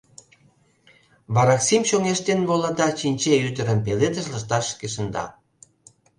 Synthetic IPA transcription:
βɑɾɑksimɕoŋeʃt̪enβolɑd̪ɑt͡ɕinʲt͡ɕeyt̪əɾə̆mpeled̪əʃləʃt̪ɑʃkeʃə̆nd̪ɑ̰

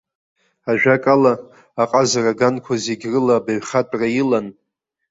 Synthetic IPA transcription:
aʒᶣakʼalaː | qʼazaraɡankʷʰazeɡʲrɨlabaɥχatʼrajilan

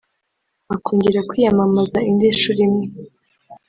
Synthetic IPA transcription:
akuːɲɟiɾakwiːjamamazaindiʃuɾimŋe

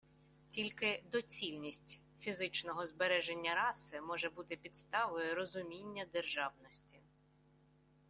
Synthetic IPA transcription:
tʲilʲkɪd̪ɔt͡sʲilʲnʲisʲtʲ | fʲizɪt͡ʃnɔɦɔzbeɾɛʒenʲːɐɾɑsɪmɔʒɛbut̪ɪpʲid̪st̪ɑʋɔjʊɾɔzʊmʲinʲːɐd̪erʒɑwnɔsʲtʲi

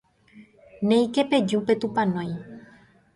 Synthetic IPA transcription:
nẽjkeped͡ʒupe̞t̪upãnõj̃

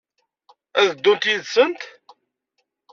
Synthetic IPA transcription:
æðəd̪ːunt̪jiðsənt̪

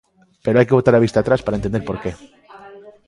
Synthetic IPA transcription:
pe̞ɾo̞ajke̞βo̞t̪aɾaβist̪aːt̪ɾaspaɾaent̪end̪eɾpo̞ɾke̞

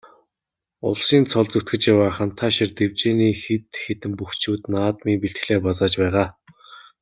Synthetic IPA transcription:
ʊ̰ɮʃiːnt͡sʰɔɮt͡sɵt̪ɡɘ̆t͡ɕjawaːχə̆nt̪ʰaʃɪrt̪ewt͡ɕeːniːxet̪xet̪ɘ̆mpuxt͡ɕuːt̪naːt̪miːŋpiɬt̪x̆ɮeːpɔt͡saːt͡ɕpæːʁaː

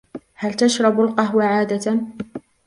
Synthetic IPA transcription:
halt̪aʃɾˤɑbʊlqɑɦwaʕaːd̪at̪

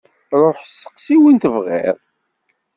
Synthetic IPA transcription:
ɾˤoħsə̥qsiwint̪əvʁɪ̰ðˤ

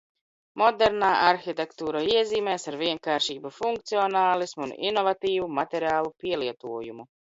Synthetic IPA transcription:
mɔd̪ɛɾnaːʔaɾxit̪ɛkt̪uːɾaiɛziːmɛːsaɾviɛŋkaːɾʃiːbufuŋk̚t̪siɔnaːlˠismunḭnɔvat̪iːvumat̪ɛɾaːlˠupiɛliɛt̪uɔjumu

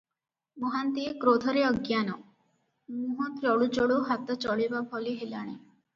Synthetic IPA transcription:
mɔɦant̪iekɾod̪ʱɔɾeəɡjanɔ | muɦɔ̃t̪ɾɔɭud͡ʒɔɭuɦat̪ɔt͡ʃɔɭibapʰɔliɦelaɽ̃e

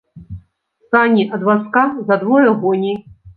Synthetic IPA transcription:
st̪anʲiʔɐd̪vaskazɐd̪vɔjɐɣɔnʲi

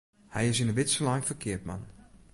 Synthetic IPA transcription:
hɛjɪsɪnəbɪtsəlajfəkʰɪətma̰n

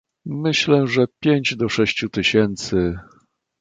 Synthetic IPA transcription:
mɘɕlɛʐɛpʲjeɲd͡ʑd̪ɔʂɛɕt͡ɕut̪ɘɕɛnt̪sɘ

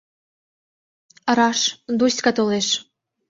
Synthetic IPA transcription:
əɾɑʃd̪usʲkɑt̪oleʃ

